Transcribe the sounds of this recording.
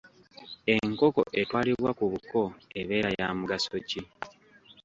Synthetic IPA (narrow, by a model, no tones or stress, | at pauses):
e̞ŋko̞ko̞̰ʔe̞twaːliβwakuβuko̞eβe̞ːɾajaːmuɡaso̞ci